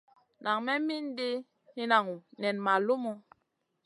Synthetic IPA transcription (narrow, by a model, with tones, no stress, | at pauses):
na˨ŋmɛ˦mi˦n˦de˦ | hi˦na˨ŋu˨nɛ˨nma˨lu˦mo˦